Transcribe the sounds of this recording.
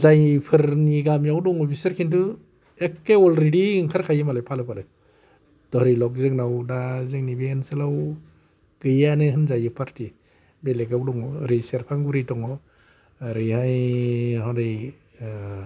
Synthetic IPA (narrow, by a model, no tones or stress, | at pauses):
zajpʰɯɾniɡamjawdɔŋɔbʰisaɾkʰintu | ekːeɔlɾidiŋkʰaɾkʰajɯmalajpʰalɯpʰalɯj | d̥ɔhɾilɔk̚zɯŋnawdazɯŋnibensɯlaw | ɡ̥ɯjanɯɦɯnzajɯpʰaɾti | beleɡawdɔŋɔɾiseɾpʰaŋɡuɾitɔŋɔ | ɾɯhajhawdɯj